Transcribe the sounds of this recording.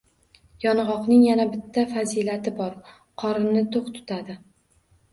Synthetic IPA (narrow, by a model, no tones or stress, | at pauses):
jɒnʁɒqnɪŋjanabɪt̪ʰːafazilat̪ʰɪbɒɾ | qʰɒɾɪnɪt̪ʰoqt̪ʰʊ̥t̪ʰad̪ɪ